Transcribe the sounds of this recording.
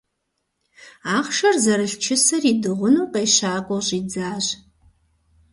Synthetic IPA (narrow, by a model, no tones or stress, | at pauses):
aːχʃɐrzɐɾɨɬt͡ʃʰɪsɐriːdɨʁʷʊnuːqejɕaːkʷʼɔɕʼiːd͡zaːɕ